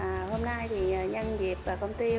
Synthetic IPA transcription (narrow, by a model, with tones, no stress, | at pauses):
ho˧mna˧jt̪ʰi˨˩˨ɲə˧nzi˨˩əp̚vaː˨˩kə˧wŋ͡mt̪i˧